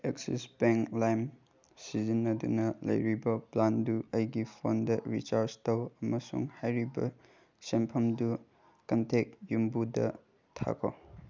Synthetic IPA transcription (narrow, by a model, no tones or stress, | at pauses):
eksḭspeŋklajm | sizinɐdunɐlɐ̰jɾibɐplanduɐjɡipʰondɐɾit͡ʃaɾd͡ʒtɐwɐmɐsṵŋhajɾibɐ̰ | sempʰɐmdu | kɐntʰek̚jumbudɐ̰ | tʰa̰kʰo